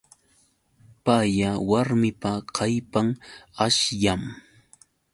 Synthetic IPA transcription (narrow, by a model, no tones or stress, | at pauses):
pajawaɾmɪpaqʰɑjpaŋaʃjam